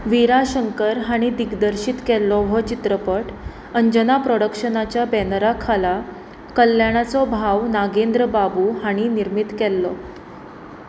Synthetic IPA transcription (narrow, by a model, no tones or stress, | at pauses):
ʋiɾaɕəŋkəɾɦaɽ̃id̪iɡd̪əɾɕit̪kɛlːɔʋɔt͡ɕit̪ɾəpəʈ | əɲd͡ʑənapɾɔɽəkʂənat͡ɕjabɛnɾakʰala | kəljaɽ̃at͡sɔbʱawnaɡend̪ɾəbabuɦaɽ̃iniɾmit̪kɛlːɔ